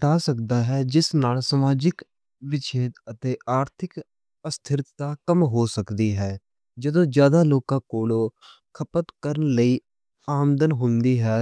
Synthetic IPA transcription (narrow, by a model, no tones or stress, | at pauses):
t̪aːsəkd̪aːɦɛːd͡ʒɪsnaːlsəmaːd͡ʒɪk | ʋɪt͡ʃʰeːd̪ət̪eːʔaːɾt̪ʰɪk | əst̪ʰɪɾaːkəmɦoːsəkd̪iːɦɛː | d͡ʒəd̪õːzjaːd̪aːloːkãːkoːloː | kʰəpət̪kəɾənləiː | aːmd̪ənɦʊ̃nd̪iːɦɛː